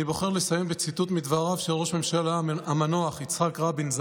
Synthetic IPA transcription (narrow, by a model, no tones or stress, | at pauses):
ibo̞χe̞ʁlesajembet͡sit̪ut̪mid̪vaʁavʃelʁo̞ʃme̞mʃalaamanoaχit͡sχakʁabinz